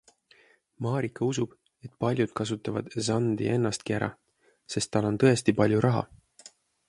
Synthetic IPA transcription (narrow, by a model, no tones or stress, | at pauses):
mɑːɾikːɑusub̥ | e̞t̪ˑpɑlʲjud̪̥̚kɑs̬ut̪ːˑɑvɑ̰d̪̥sɑnd̪ḭʔe̞nːɑst̪̚kiæɾɑ̰ | se̞st̪ːɑlːo̞nt̪ɤe̞st̪ipɑlʲjuɾʔɑɦɑ̰